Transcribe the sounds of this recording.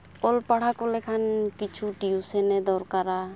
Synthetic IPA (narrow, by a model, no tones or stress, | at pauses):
ɔlpaɽ̤akɔlɛkʰankit͡ʃʰuʈiusɛnɛd̪ɔɾkaɾa